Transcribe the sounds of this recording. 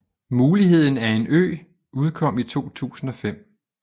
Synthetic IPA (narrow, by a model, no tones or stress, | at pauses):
muːliɦe̝ð̞̰ˠn̩æɐe̝nø̰ː | uð̞ˠkʰɒ̽m̰it͡sʰo̝̰ːt͡sʰṵːsn̩ɒ̽fem̰